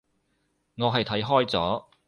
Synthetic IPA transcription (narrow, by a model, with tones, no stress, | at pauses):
ŋɔː˨˧ɦɐ˨jt̪ʰɐ˨˥jɦɔː˥jt͡sɔː˨˥